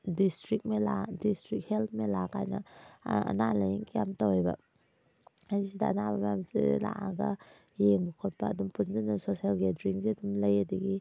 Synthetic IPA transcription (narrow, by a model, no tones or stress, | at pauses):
distɾik̚mela̰distɾik̚help̚ʰmelakʰajnɐ̰ɐ̰nalɐjiŋkijamtawejba̰ | ajsidaɐnababamzḭla̰ʔaɡɐ | jeŋbukʰot̚paːdumpunzanusosialɡedɾiŋziɐdumlɐjadɐɡi